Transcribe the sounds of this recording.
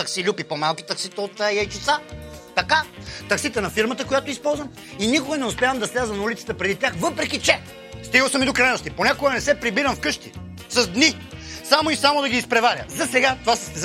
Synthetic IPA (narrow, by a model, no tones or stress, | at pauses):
t̪ɐksilʲupipomalˠkʲi̥t̪ɐksit̪əot̪jɐjt͡ʃit̪sat̪ɐkat̪ɐksit̪ənɐfiɾmət̪əkojat̪oispɔlˠzvəm | inikoɡənɛʊspʲjavəmd̪ɐslʲazənɐulit̪sə̥t̪əpɾɛd̪it̪ʲjaxvɤpɾɛkʲit͡ʃɛ | st̪iɡəlˠsɐmid̪okɾɐɾɛnost̪iponʲakoɡənɛsɛpɾibiɾɐmfkɤʃt̪ḭ | sɐzd̪ni | samoisamod̪ɐɡʲiːspɾɛvaɾʲə̰zɐsɛɡat̪ovas